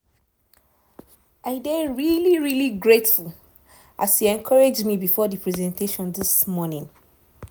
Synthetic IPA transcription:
ʔaɪdeɹiliɹiliɡɹetful | ʔashiɛ̃nkʰɔɹed͡ʒmibifɔdipʰɹɛzɛ̃nteʃɔ̃nðɪsmɔnĩŋ

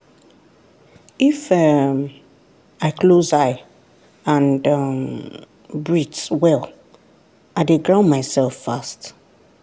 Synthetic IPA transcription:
ifɛ | aɪklozaɪ | ãndʌm | bɹitswɛl | aɪdeɡɹãʊ̃nmaɪsɛlfast

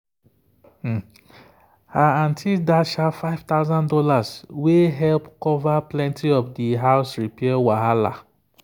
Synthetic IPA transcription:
aãntʰildaʃafaɪv̥taʊzãndɔlasweɦɛlpkɔvaplɛ̃ntʰiɔfdiɦaʊsɹipɛawaɦala̰

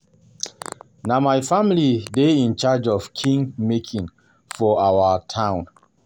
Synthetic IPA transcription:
namaɪfamilideĩnt͡ʃad͡ʒɔfkʰĩŋmekʰĩŋ | fɔawətʰãʊ̃n

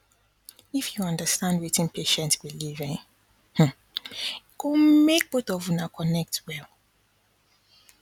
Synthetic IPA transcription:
ifjuɔ̃ndəstãndwetĩnpʰeʃɛ̃ntswilivɛ̃ | h̩ | komek̚botɔvunakʰɔnɛk̚twɛl

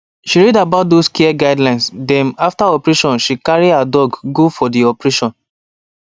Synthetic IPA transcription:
ʃiɹɛdabaʊt̚doskiɛɡaɪdlãɪnsdɛ̃naftaɔpɹeʃɔ̃nʃikaɹiadɔɡɡofɔdiɔpɹeʃɔ̃n

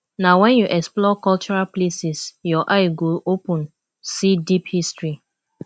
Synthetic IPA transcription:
nawɛ̃njuʔɛksplɔkɔlt͡ʃɔɹalplesisjɔʔaɪɡolopɔ̃n | sidiphistɹi

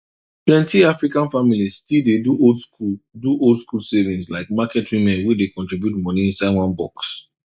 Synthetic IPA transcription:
plɛ̃ntiafɹikãnfamilizstilˠdeduodskuduʔoldskulsɛvĩnslaɪkmakɛtʰwĩmɛ̃nwidekɔ̃ntɹibjutmɔniĩnsadwɔ̃nbɔ̰ks

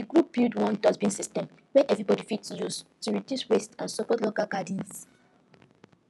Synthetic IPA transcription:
diɡɹup̚ːildwɔ̃ndɔzbĩnsistɛ̃m | wɛʔɛvɹibɔdifitsjustuɹidjuswestãnsɔkɔdlokalɡadĩns

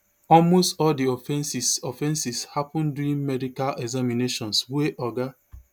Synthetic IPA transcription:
ɔlmostɔldiɔfɛ̃nsisɔfɛ̃nsishapũnduĩnmɛdikalʔɛɡzamineʃɔ̃nsweʔɔɡa

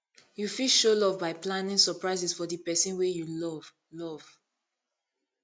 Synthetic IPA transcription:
jufiʃolɔvbaɪplãnĩŋsɔpɹaɪsɛsfɔdipɛsĩnwejulɔv̥ | lɔv̥

